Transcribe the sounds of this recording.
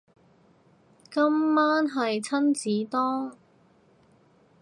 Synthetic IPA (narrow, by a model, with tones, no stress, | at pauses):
kɐ˥mːaː˥nɦɐ˨jt͡sʰɐ˥nt͡siː˨˥t̪ɔː˥ŋ